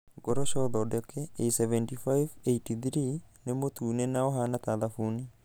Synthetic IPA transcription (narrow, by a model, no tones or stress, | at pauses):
ɡɔɾɔʃɔðɔdɔkʰɛesɛvɛntifajveitiθɾinemot̪uːnɛnaɔɦanat̪aðafuni